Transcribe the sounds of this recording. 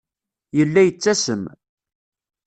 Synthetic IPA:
jəlːæjət͡sːæsəm

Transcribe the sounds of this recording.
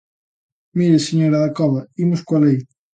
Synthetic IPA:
miɾeseɲoɾɐðakɔβɐimʊskwɐlej

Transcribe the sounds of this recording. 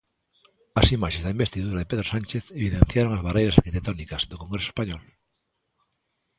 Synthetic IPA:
asimaʃezðaĩmbest̪iðuɾaðepeðɾosãnt͡ʃeθeβiðẽn̟θjaɾoŋazβarejɾasaɾkit̪ek̚t̪onikazðokoŋɡɾesoespaɲɔl

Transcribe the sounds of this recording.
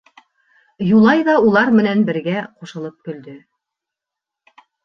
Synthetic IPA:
julˠɑjðɑulˠɑɾmɘ̆nænbɘ̆ɾɡæquʃɤ̆lˠɤp̚kɵ̆ld̪ɵ

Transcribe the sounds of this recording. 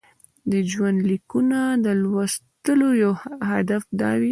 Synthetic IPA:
d̪əd͡ʒwand̪likunad̪əlwast̪əlojawhad̪afd̪ɑ̰wi

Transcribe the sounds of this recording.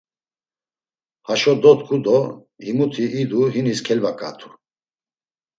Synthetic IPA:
haʃɔd̪ɔt̪kʰud̪ɔ | himut̪ʰiʔːd̪uɦiniskʰɛlvakʼa̰t̪ʰu̥

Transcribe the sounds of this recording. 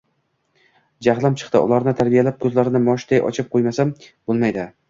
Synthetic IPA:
d͡ʒaʁlˠamt͡ʃʰɨ̥χt̪ɪʔʊ̰lˠaɾnɪt̪ʰaɾbijalap̚kʰɵzlaɾɪnɪmɒʃd̪ajʔɒ̰t͡ʃʰɪp̚qʰojmasamb̥olˠmajd̪ɪ

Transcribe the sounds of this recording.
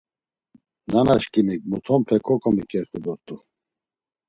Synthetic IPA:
nanaʃkʼimik̚ʼmut̪ʰɔmpʰɛkʼɔkʼɔmikʼɛɾχud̪ɔɾt̪ʼu

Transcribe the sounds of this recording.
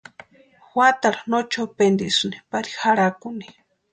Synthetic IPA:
xwat̪aɾanot͡ʃopend̪isuni̥paɾi̥xaɾakuni̥

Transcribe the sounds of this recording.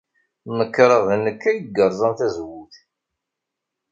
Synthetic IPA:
məkːɾˤəðˤnːəkːæjəɡːəɾˤzˤənθæzwuθ

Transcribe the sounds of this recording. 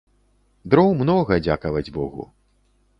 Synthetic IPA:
d̪ɾɔwmnɔɣɐd͡zʲakɐvɐd͡zʲbɔɣṵ

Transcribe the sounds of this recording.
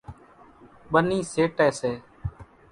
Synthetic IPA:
ɓəniːseːʈɛːseː

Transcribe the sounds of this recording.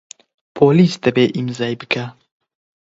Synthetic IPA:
pʰoːliːsd̪ɛbeːʔimzɛjbɨkʰɛ

